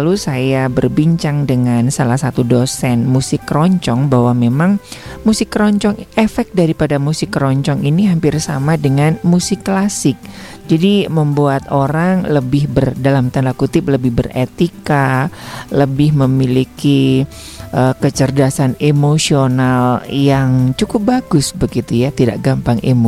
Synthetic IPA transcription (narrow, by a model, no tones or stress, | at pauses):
lusajabərbiɲt͡ʃaŋdəŋansalahsat̪udosɛnmusɪkːɾɔɲt͡ʃɔŋbaɦwamemaŋmusɪkːɾɔɲt͡ʃɔŋefɛk̚daɾipadamusɪkːɾɔɲt͡ʃɔŋiniɦampɪrsamadəŋanmusɪkːlasɪk̚ | d͡ʒadiməmbuat̪oɾaŋləbɪhbərdalamt̪ənlakut̪ɪp̚ləbɪhbərḛt̪ika | ləbɪhməmiliki | ʔəkət͡ʃərdasanemosionaljaŋt͡ʃukʊp̚baɡʊsbəɡit̪ujat̪ida̰ʔɡampaŋʔemo